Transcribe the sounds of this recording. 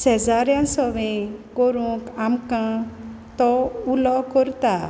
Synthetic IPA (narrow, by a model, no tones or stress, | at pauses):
sɛd͡zaɾjãsɔʋĩkɔɾũkamkã | t̪ɔulɔkɔɾt̪a